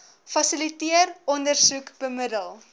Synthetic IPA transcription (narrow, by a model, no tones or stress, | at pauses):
fɐsilitiərɔndərsukb̥əmədəlˠ